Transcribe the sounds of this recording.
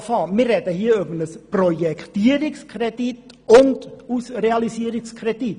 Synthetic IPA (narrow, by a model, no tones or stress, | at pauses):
fɑːmiərɛdəhiːɾøbənəsprojɛktiəɾɪkskʰredit | ʊndusreɑlisiːɾɪskredit